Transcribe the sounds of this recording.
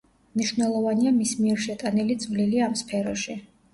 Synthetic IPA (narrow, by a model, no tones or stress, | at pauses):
mniʃwnɛlˠɔvaniamismiɛɾʃɛt̪ʼanilit̪sʼvliliamspʰɛɾɔʃi